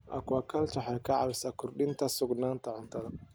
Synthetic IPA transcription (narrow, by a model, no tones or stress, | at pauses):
ʔɐ̰kwɐkʰɐlt͡ʃɐħɑkʰɐʕɑ̰βɪsakʰʊrɗɪnt̪ʰɐsʊɡnaːnt̪ʰɐʕʊnt̪ʰɐðɐ